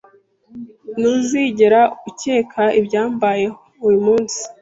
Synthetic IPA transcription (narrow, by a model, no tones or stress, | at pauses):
nuziɟeɾauceːkʰaʔibɟaːmbaje̞houɾimuːnsi̥